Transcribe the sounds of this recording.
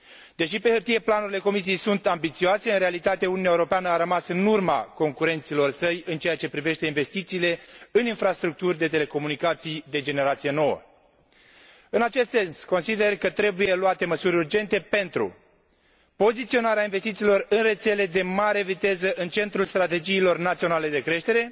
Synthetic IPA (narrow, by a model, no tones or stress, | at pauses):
d̪e̞ʃipe̞hɨrt̪ije̞planuɾile̞ko̞mis̬ijejsunt̪ambit̪sioase̞ɨnɾe̞alit̪at̪e̞ununʲaeuɾo̞peanəaɾəmasɨnurma̰ko̞ŋkuɾe̞nt̪silo̞rsəjɨnt͡ʃejat͡ʃe̞pɾive̞ʃt̪einve̞st̪it̪siːle̞ɨninfɾast̪ɾuk̚t̪urʲd̪e̞t̪e̞le̞ko̞munikat̪sijd̪e̞d͡ʒe̞ne̞ɾat̪sije̞no̞wə̰ | ɨnat͡ʃe̞st̪se̞nsko̞nsid̪e̞rkət̪ɾe̞buje̞luat̪e̞məsuɾʲurd͡ʒe̞nt̪e̞pe̞nt̪ɾṵ | po̞zit̪sio̞naɾeainvest̪it̪siːlo̞rɨnre̞t̪se̞le̞d̪e̞maɾe̞vit̪e̞zəʔɨnt͡ʃe̞nt̪ɾulst̪ɾat̪e̞d͡ʒiːlo̞rnat̪sio̞nale̞d̪e̞kɾe̞ʃt̪e̞ɾe̞